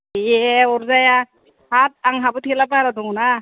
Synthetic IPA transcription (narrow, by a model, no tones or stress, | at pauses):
jeɔɾzaja | hat̚aŋɦabɯtʰelapaɾadɔŋna